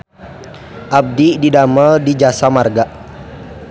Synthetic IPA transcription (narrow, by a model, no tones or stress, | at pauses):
ʔab̚dididaməldid͡ʒasamarɡaʔ